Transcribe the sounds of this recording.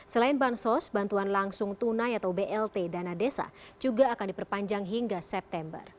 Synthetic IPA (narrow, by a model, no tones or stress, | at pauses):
səlaɪnbansɔsbant̪uanlaŋsʊŋt̪unajat̪awbeʔɛlt̪edanadesa̰d͡ʒuɡaːkandipərpaɲd͡ʒaŋɦiŋɡasɛp̚t̪ɛmbə̰r